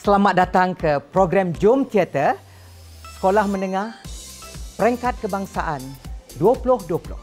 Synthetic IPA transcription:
səlamat̪̚dat̪aŋkəpɾoɡɾamd͡ʒumt̪iat̪ə | sə̥kolahmə̃nəŋah | pəɾɛŋkat̪̚kəbaŋsaʔanduəpulʊhduəpulʊ̰h

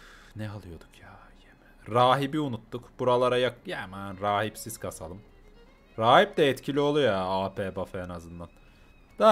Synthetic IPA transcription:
nɛalˠɯjo̞d̪̥ukʰjaːjemɛ̥ɾaːɦibiunut̪ːukbuɾalˠaɾajakjɛmanɾaːhipsiz̥kʰasalˠɯm | ɾaːɦip̚d̪ɛɛt̪cʰilʲio̞lˠujaːaːpʰeːbafaenazɯnd̪an | d̪̥a

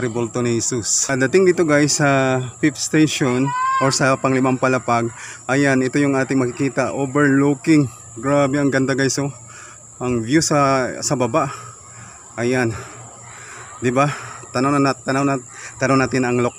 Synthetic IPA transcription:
ɾɪbolt̪onɪhɛsusd̪ɐt̪ɪŋd̪iːt̪oɡajsːɐpɪfst̪ejʃonʔoɹsɐpɐŋlɪmampɐlɐpaɡ̚ʔɐjanɪt̪o̞jʊŋʔaːt̪ɪŋmɐkɪkiːt̪ɐʔoːbɛɹlokɪŋ | ɡɾaːbɛɐŋɡɐnd̪aɡajso | ʔɐŋbjusɐsɐbɐbaʔ | ʔɐjan | d̪ɪbat̪ɐnawnɐnat̪ːɐnawnɐk̪ɐɾonːaːt̪ɪnɐŋlok̚

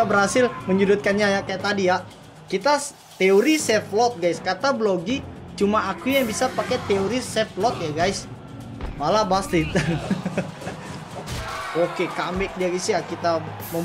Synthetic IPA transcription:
abəɾhasɪlməɲudʊt̪̚kanɲajakajaʔt̪adija | kit̪a | t̪eoɾisɛflɔt̪̚ɡajskat̪abloɡit͡ʃumaːkujaŋbisapaket̪eoɾisɛflɔt̪̚jaɡajs | malabaslɪt̪̚ | okekambɛk̚diaɡasjakit̪amə

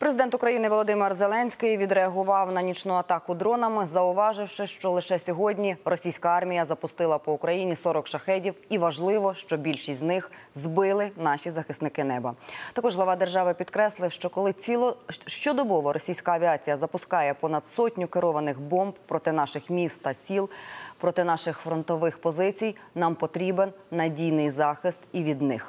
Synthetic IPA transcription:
pɾezɪd̪ɛnt̪ʊkɾɐjinɪʋɔlˠɔd̪ɪmɪrzelˠɛnʲsʲkɪjʋʲid̪ɾeɐɦʊʋɑwnɐnʲit͡ʃnʊɐt̪ɑkʊd̪ɾɔnɐmɪzɐʊʋɑʒɪwʃɪʃt͡ʃɔlˠɪʃɛsʲɔɦɔdʲnʲiɾɔsʲijsʲkɐɑrmʲijɐzɐpʊst̪ɪlˠɐpɔʊkɾɐjinʲisɔɾɔkʃɐxɛdʲiwiʋɐʒlˠɪʋɔʃt͡ʃɔbʲilʲʃisʲtʲznɪx | zbɪlˠɪnɑʃʲizɐxɪsnɪkɪnɛbɐt̪ɐkɔʒɦlˠɐʋɑd̪erʒɑʋɪpʲid̪kɾɛslˠɪwʃt͡ʃɔkɔlˠɪiʃt͡ʃɔd̪ɔbɔʋɔɾʔɔsʲijsʲkɐːʋʲiɑt͡sʲijɐzɐpʊskɑjɛpɔnɐd̪sɔtʲnʲʊkeɾɔʋɐnɪxbɔmbpɾɔt̪ɪnɑʃɪxmʲist̪ːɐsʲilˠpɾɔt̪ɪnɑʃɪxfɾɔnt̪ɔʋɪxpɔzɪt͡sʲijnɑmpɔt̪ɾʲibenːɐdʲijnɪjzɑxɪst̪iʋʲid̪nɪx

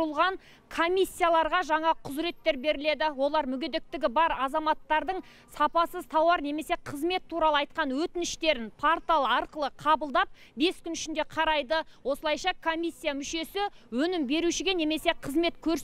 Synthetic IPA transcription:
əlˠʁɑŋ | kʰo̞mʲijsʲːijalˠɑɾʁɑʒɑɴɑqʰʊzɾe̞t̪ːe̞ɾbe̞ɾɪle̞d̪ɪwo̞lˠɑɾmʏɡʲe̞d̪e̞k̚t̪ɪɡʲɪbɑɾɑzɑmɑt̪ːɑɾd̪əɴ | sɑpɑsəzt̪ʰɑwɑɾne̞me̞se̞qʰəzme̞t̪ʰːuɾɑlˠəɑjt̪̚qɑnwɵt̪ɪnɪʃt̪e̞ɾɪnpʰoɾt̪alˠɑɾqəlˠəqʰɑbəlˠd̪ɑp̚ | be̞skʲʏnʏʃɪnd̪e̞qʰɑɾɑjd̪əwo̞səlˠɑjʃɑkʰomʲijsːijamʏʃe̞sɪwɵnɪmbe̞ɾuʃɪɡʲe̞ne̞me̞se̞qʰəzme̞t̪kʲʰɵɾs

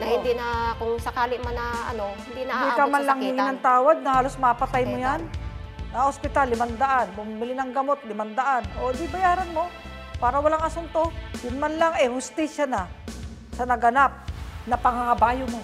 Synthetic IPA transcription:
nɐhɪnd̪ɪnɐkʊŋsɐkaːlɪmanɐʔɐ̰no̞hɪnd̪inɐd̪ikɐmanlaŋhɪŋɪnɐŋt̪aːwaɡ̪̚nɐhaːlo̞smɐʔpɐt̪ajmojanːɐʔospɪt̪alɪmand̪ɐʔanbʊmɪmɪlɪnɐŋɡɐmo̞t̪̚lɪmɐnd̪ɐʔanod̪ɪbɐjaːɾɐnmo̞ | paːɾɐwɐlaŋɐsʊnt̪ojʊnmanlaŋɛhʊst̪iːsjana | sɐnɐɡɐnap̚nɐpɐŋaŋɐbaːjomo

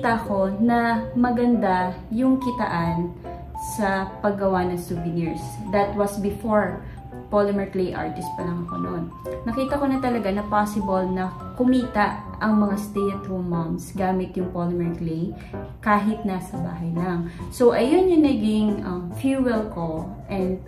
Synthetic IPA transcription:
t̪ɐʔɐko̞nɐmɐɡɐnd̪a | jʊŋkɪt̪ɐ̰ʔan | sɐpɐɡːɐwanɐŋsuvɪnɪɹsd̪ɐt̪wɐsbɪfoɹ | polɪmɛɹklejʔa̰ɹt̪ɪst̪̚pɐlɐŋɐko̞̰no̰nː | ɐkiːt̪ɐko̞nɐt̪ɐlɐɡanɐpaːsɪbɐlnɐkʊmiːt̪ɐʔ | ɐŋmɐŋast̪ɛjɐt̪ommɐmsɡaːmɪt̪jʊŋpolɪmɛɹklej | kaːɦɪt̪̚nasɐba̰ːɦɐjlɐŋso̞ʔɐjonjʊŋnɐɡɪŋʔɐmfjuwɛlko̞ʔɛnd̪̚

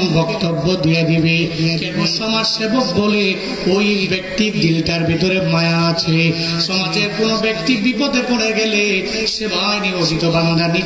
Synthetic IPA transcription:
nbɔkt̪obːod̪ijed̪ebeekoʃɔmaɾʃebok̚bole | ojbek̚t̪id̪ilʈaɾbʱet̪oɾemajaat͡ɕʰe | ʃɔmad͡ʑeɾkonobek̚t̪iɾbipod̪ʱepoɽ̃eɡɛle | ʃemaenioʈit̪obannd̪aɾni

